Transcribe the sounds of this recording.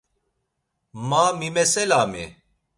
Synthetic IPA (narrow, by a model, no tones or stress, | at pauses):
mamimɛsɛlamḭ